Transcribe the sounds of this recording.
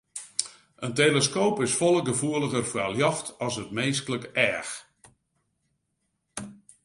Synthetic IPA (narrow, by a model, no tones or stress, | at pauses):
ʔəntejləskoːpɪsfɔlˠəɡəvuələɣərfəaljɑxtɑsətmeːstləkɛːx